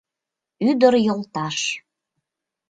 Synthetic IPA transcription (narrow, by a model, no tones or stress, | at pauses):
yd̪əɾjolt̪ɑʃ